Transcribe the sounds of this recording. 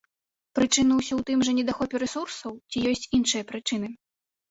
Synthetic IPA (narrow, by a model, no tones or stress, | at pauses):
pɾɨt͡ʂɨnɨwsʲɔwt̪ɨmʐɐnʲɛd̪axɔpʲɛɾɛsursɐwt͡sʲijɔsʲt͡sʲinʂɨjɐpɾɨt͡ʂɨn̪ɨ